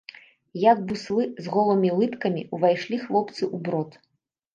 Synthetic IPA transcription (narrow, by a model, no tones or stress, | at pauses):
jaɡ̚buslˠɨzɣɔlˠɐmʲilˠɨt̪kɐmʲḭuvajʂlʲixlˠɔpt̪sɨʔubɾɔt̪